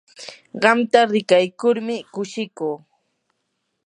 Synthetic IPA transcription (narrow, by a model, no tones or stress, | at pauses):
ɢɑmt̪aɾɪkajkʊɾmɪkʊʃɪkuː